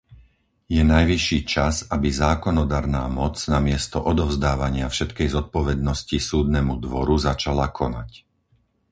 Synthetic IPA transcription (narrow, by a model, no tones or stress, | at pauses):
jɛnajʋiʃːiːt͡ʃazabizaːkɔnɔd̪aɾnaːmɔt͡snamɪɛst̪ɔʔɔd̪ɔʊzd̪aːʋaɲɪafʃɛt̪kɛjzɔt̪̚pɔʋɛd̪̚nɔscisuːd̪nɛmud̪ʋɔɾuzat͡ʃalakʰɔnac